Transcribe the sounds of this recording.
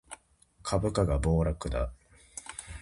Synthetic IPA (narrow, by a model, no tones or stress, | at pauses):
kʰabɯ̟kaɡabo̞ːɾakɯ̟d̪a̰